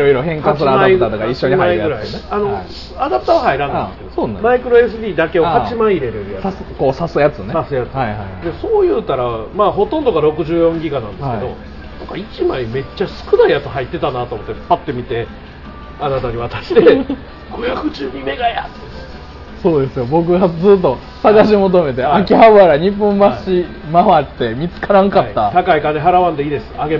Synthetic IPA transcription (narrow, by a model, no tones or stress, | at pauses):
iɾojɾoɦẽŋkãmaaiɡ̪at̪okaiɕːoɲimaiɡɯ̟ɾaiano̞ | ad̪apɯ̟t̪aβahaiɾãnandesked̪osomaikɯ̟ɾo̞e̞s̬ɨbʲiːd̪ake̞ohat͡ɕimaiːɾe̞ɾeɾɯjasskoːsasɨjat͡sɨnesasɨjat͡sɨaihajd̪e̞so̞ːjɯ̟ːt̪aɾamaːɦo̞t̪õ̞nd̪o̞ɡaɾo̞kɯ̟ʑɨːjõ̞ŋɡʲiɡanãnsked̪o̞ | nãkait͡ɕimaime̞t͡ɕːasɨ̥kɯ̟naijat͡sɨɦait̪ːe̞t̪anat̪o̞ːmo̞t̪ːepat̪ːe̞mʲit̪e̞ | anat̪aɲiβat̪ḁɕi̥t̪e | ɡo̞jakɯ̟ʑɨːɲime̞ɡajat̪e | so̞ːd̪e̞sɨjo̞bo̞k̬ɯ̟ɡad͡zɨːt̪ːo̞ | saɡaɕ̬imo̞t̪̬o̞me̞t̪e̞akʲiɦaβaɾaɲ̟ipːõmbaɕi | maβat̪ːe̞mʲit͡sɨ̥kaɾãŋkaːat̪akaikaeɦaɾaβãnd̪e̞iːd̪e̞sɨ̥aɡe̞